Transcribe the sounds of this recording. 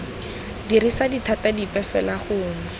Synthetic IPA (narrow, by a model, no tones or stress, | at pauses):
dirisaditʰatadipɛfɛlaχʊːnʊʊ